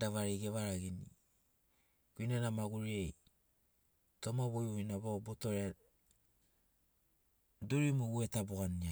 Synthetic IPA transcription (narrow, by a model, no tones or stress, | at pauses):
daβaɾejɡeβaɾaɡini | ɡuinadamaɡuɾiej | tomaβojoinaβabotoɾea | duɾimuɡuetabuɡania